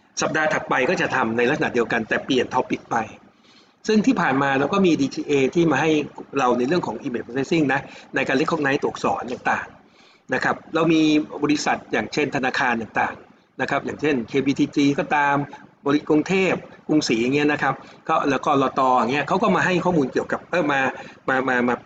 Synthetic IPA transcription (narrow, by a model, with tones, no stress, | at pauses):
sa˨˩p̚daː˧t̪ʰa˨˩t̪̚pa˧jkɔː˥˩t͡ɕa˨˩t̪ʰa˧mna˧jla˥k̚sa˧na˨˩di˧əwka˧nt̪ɛː˨˩pli˨˩ənt̪ʰɔ˦˥pːi˨˩k̚pa˧j | sɯ˥˩ŋt̪ʰiː˥˩pʰaː˨˩nmaː˧ɾa˧wkɔː˥˩miː˧diː˧t͡ɕiː˧ʔeː˧t̪ʰiː˥˩maː˧ɦa˥˩jɾa˧wna˧jɾɯ˥˩əŋkʰɔː˩˦ŋʔiː˧meː˨˩pʰa˧se˦˥si˥˩ŋna˦˥na˧jkaː˧le˦˥kʰːɔ˧˥˩ŋna˧˦˥jt̪u˨˩ək̚sɔ̰ː˩˦nt̪aː˨˩ŋt̪aː˨˩ŋ | na˦˥kʰa˦˥p̚ɾa˧wmiː˧bɔː˧ɾi˦˥sa˨˩t̪̚jaː˨˩ŋt͡ɕʰe˥˩nt̪ʰa˧naː˧kʰaː˧nt̪aː˨˩ŋt̪a̰ː˨˩ŋ | na˦˥kʰa˦˥p̚jaː˨˩ŋt͡ɕʰe˥˩nkʰeː˧biː˧t̪ʰiː˧t͡ɕiː˧kɔː˥˩t̪aː˧mbɔː˧ɾi˦˥t̪̚kɾu˧ŋt̪ʰeː˥˩p̚ku˧ŋsiː˩˦ja˨˩ŋːi˦˥ɐ˨na˦˥kʰa˦˥p̚kɔ˥˩lɛː˦˥wkɔː˥˩lɔː˧t̪ɔː˧ja˨˩ŋːi˦˥ɐʔkʰa˦˥wkɔ˥˩maː˧ɦa˥˩jkʰɔː˥˩muː˧nki˨˩əwka˨˩p̚ʔɤː˧˩maː˧maː˧maː˧maː˧